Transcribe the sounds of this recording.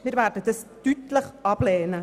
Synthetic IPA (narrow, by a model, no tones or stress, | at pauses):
mɪːɾvæːɾdədɑstytləχʔɑb̥lɛːnə